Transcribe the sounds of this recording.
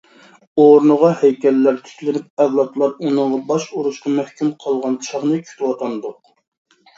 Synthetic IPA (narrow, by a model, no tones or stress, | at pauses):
oɾnʊʁɑhɛjkʲɛlːæɾt̪ʰy̥kʲlɪnyp̚ɛwlˠɑt̪lˠɑɾunɨŋʁɑbɑʃuɾuʃqɑmæhkʲymqʰəlˠʁɑnt͡ʃʰɑχnɨkʲʰy̥t̪ʰwɑt̪ʰɑnd̪ʊq